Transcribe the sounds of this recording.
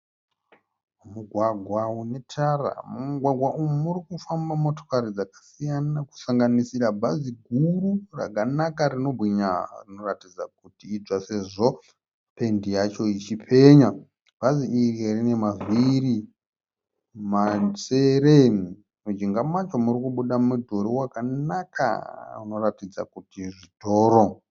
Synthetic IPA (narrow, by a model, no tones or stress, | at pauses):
muɡʱwaɡʱwaune̞tʰara̰muɡʱwaɡʱwaʔummuɾikufambamo̞to̥kaɾid͡zakḁsijanaku̥saŋɡanisiɾabʱaziɡʱurura̰kanakarino̞bʱiɲarino̞ratid͡za̰k̚utiːd͡zase̞ʐo | pe̞ndijat͡ʃo̞it͡ʃipʰe̞ɲa | b̥ʱaziʔirierine̞maziri | maseɾe | mud͡ʒiŋɡamat͡ʃomuɾikuɓuɗamudʱoɾiwakanakʰa̰uno̞ratid͡za̰kutiʐitʰo̞ːɾo